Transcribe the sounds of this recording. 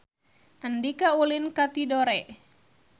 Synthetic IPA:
ʔəndikaulinkat̪idoɾɛʔ

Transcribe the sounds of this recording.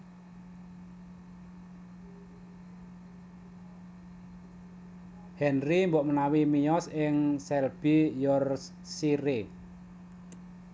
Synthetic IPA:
hɛnrimbɔʔmənawimijɔsɪŋsɛlb̥ijɔrs | siɾe

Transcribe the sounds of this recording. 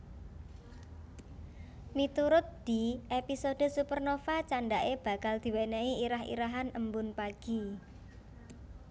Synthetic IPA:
mit̪uɾʊt̪̚d̪̥i̤ʔepisoɖ̥ə̤supərnofat͡ʃanɖaʔeb̥a̤kald̪̥i̤weneiiɾaɦḭɾaɦanəmbʊnpaɡ̥i

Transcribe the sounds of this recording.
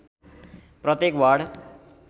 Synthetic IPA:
prʌt̪jekwaɽ

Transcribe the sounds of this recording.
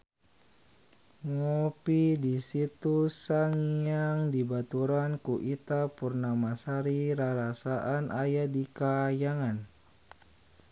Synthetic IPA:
ŋopidisit̪usaŋijaŋdibat̪uɾankuʔit̪apurnamasaɾiɾaɾasaʔanʔajadikajaŋan

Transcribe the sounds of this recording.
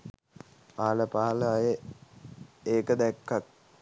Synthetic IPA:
paaləpaɦaləaje | eːkəd̪ɛkːak̚

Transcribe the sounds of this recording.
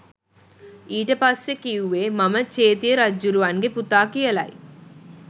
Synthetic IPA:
iːʈɐpaːsekijuʋeːmɐmɐt͡ʃeːt̪ijɐɾɐd͡ʒuɾuʋanɡeput̪aːkijɐla̰ːj

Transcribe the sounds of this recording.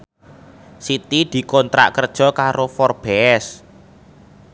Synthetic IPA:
sit̪id̪̥i̤kɔnt̪ɾa̰ʔkərd̥ʒ̥ɔ̤kaɾofɔrb̥ɛɛs

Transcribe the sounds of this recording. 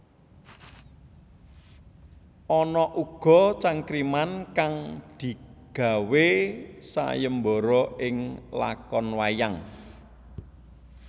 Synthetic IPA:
ʔɔnɔʔuɡ̥ɔ̤t͡ʃaŋkɾimankaŋd̪̥i̤ɡ̥a̤wesa̰jəmbɔ̤ɾɔɪŋla̰kɔnwajaŋ

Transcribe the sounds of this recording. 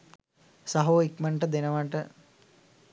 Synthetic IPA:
saɦoːikməɳʈəd̪enəʋaʈə

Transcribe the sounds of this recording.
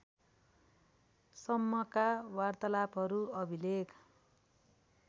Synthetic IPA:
sʌmːʌkawart̪ʌlapɦʌɾuʌbʱileɡ

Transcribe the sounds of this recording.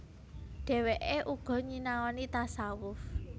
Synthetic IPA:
ɖ̥ɛ̤weʔeʔuɡ̥ɔ̤ɲinaɔnit̪asawʊf

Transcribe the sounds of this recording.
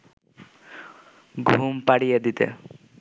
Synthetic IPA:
ɡʱumpaɽijed̪it̪ḛ

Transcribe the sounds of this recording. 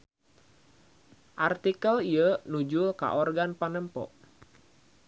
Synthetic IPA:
ʔart̪ikəliənud͡ʒulka̰ʔɔrɡanpanəmpɔ̰ʔ

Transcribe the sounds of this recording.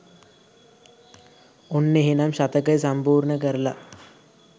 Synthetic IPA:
onːeɦinɐmʃɐt̪ɐkɐjsɐmpuːɾɳɐkɐɾla̰

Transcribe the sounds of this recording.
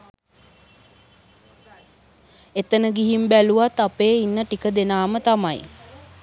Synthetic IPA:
et̪ənəɡiɦimbæluʋat̪ːapeːinːəʈikəd̪enaːmət̪amaj

